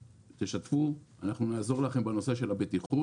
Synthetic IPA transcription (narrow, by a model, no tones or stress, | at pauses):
t̪eʃat̪fuanaχnunaːzo̞ʁlaχe̞mbeno̞se̞ʃe̞labet̪iχu